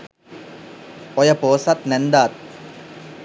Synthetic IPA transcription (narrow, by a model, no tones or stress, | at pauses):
ojɐpoːsat̪nɛnd̪aːt̪̚